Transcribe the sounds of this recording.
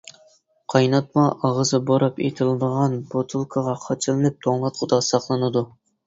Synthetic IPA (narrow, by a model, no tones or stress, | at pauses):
qʰɑjnɑt̪̚mɑʔɑʁəzɨboɾɑpḛt̪ʰɪlˠɨd̪əʁɑnbot̪ʰɨlˠkʰɑʁɑqʰɑt͡ʃʰɨlˠɨnɨp̚t̪ʰoŋlˠɑt̪χʰʊd̪ɑsɑχlˠɨnɨd̪u